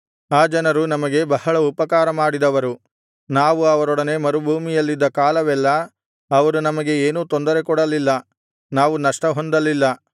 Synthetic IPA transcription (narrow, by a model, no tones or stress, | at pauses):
aːd͡ʒɐnɐɾunɐmɐɡe̞bɐhɐɭɐupɐkaːɾɐmaːɽid̪ɐʋɐɾu | naːʋuɐʋɐɾɔɽɐne̞mɐɾubʱuːmijɐlːid̪ːɐkaːlɐʋɛlːɐː | ʋɐɾunɐmɐɡe̞eːnuːt̪ond̪ɐɾe̞kɔɽɐlilːɐ | naːʋunɐʂʈɐɦo̞nd̪ɐlilːɐ